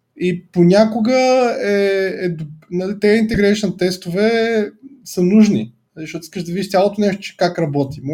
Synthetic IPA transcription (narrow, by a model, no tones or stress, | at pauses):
iponʲakʊɡəɛɛd̪ʊbnɐlit̪ɛint̪ɛɡɾɛʃnət̪ɛst̪ʊvɛ | sənuʒni | zɐʃtɔt̪ʊi̥skəʒd̪ɐvid̪iʃt̪sʲalˠot̪ʊnɛʃt̪ʊ̥t͡ʃɛ̥kakɾɐbɔt̪im